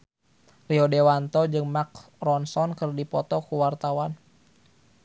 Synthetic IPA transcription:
riɔdewant̪ɔd͡ʒɨŋmak | rɔnsɔnkɨrdipɔt̪ɔkuwart̪awan

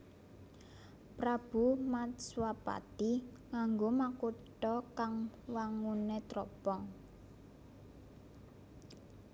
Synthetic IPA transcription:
pɾab̥umat̪swapa̰t̪i | ŋaŋɡomakuʈɔkaŋwaŋunet̪ɾɔpɔŋ

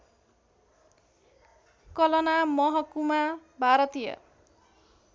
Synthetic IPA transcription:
kʌlʌnamʌɦʌkumabʱaɾʌt̪ijʌ̰

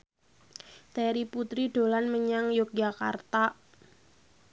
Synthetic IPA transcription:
t̪ɛɾiput̪ɾiɖ̥o̤lanməɲaŋjʊk̚d͡ʒaka̰rt̪a

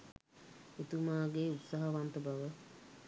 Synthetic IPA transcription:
et̪umaːɡeut̪saɦəʋant̪əbaʋə

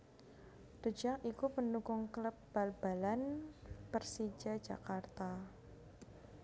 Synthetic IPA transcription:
d̪̥əd͡ʒaŋikupəndukʊŋkləp̚b̥alb̥alanpərsid͡ʒḁd͡ʒa̰kart̪a

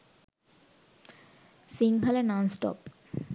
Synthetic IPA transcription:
siŋkalenansʈɔ̰p

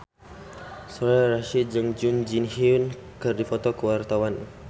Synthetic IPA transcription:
sɔɾaraʃid͡ʒəŋd͡ʒund͡ʒinhiun | kərdifɔt̪ɔkəwart̪awan

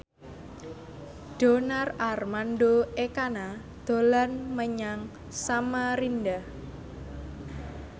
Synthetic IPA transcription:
ɖ̥o̤nararmanɖoekana | d̪̥o̤lanməɲaŋ | samaɾinɖah

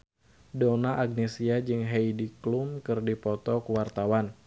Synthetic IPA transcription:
donaʔaɡ̚nesiad͡ʒɨŋɦejdiklumkɨrdipɔt̪ɔkuwart̪awan

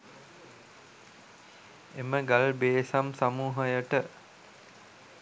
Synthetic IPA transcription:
eməɡalbeːsamsamuːɦəjəʈə

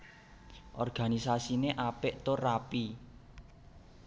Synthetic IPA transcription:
ʔɔ̰rɡ̥a̤nisasineʔapɪʔt̪orapi

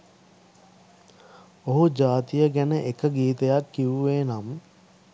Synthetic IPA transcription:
oɦud͡ʒaːt̪ijəɡænəʔekəɡiːt̪əjakːiʋuʋeːnam

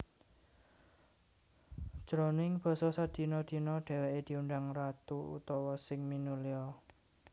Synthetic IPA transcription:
ʒ̥ɾɔnɪŋb̥ɔ̤sɔsad̪̥i̤nɔd̪̥i̤nɔɖ̥ɛ̤wɛʔed̪̥i̤uɳɖaŋrat̪uṵt̪ɔwɔsɪŋminuliɔ

